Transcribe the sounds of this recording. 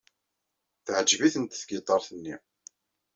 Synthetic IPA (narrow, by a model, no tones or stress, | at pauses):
θʕəd͡ʒviθənt̪θɡət̪ˤːɑɾˤθənːi